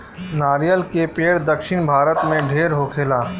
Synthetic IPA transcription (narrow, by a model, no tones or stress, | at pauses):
naːɾijəlkepeːɽd̪əkʃɪnbʱaːɾət̪mẽɖʱeːɾɦoːkʰelaː